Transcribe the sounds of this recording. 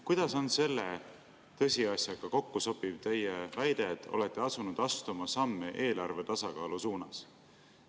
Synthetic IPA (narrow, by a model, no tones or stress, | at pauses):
kujd̪̥ɑso̞nse̞lːe̞ | t̪ɤ̞sʲiɑsjɑɡ̥ɑko̞kːuso̞bib̥̚t̪e̞jevæjd̪̥e̞t̪ːo̞̰le̞t̪ːˑe̞ɑsunud̪̥ɑst̪umɑsɑmːeʔe̞ːlɑrve̞t̪ɑsɑkɑːlusuːnɑs